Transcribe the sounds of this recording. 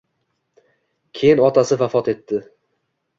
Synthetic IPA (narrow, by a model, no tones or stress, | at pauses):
kʲʰe̞jɪnɒt̪ʰasɪvafɒt̪e̞t̪ːɪ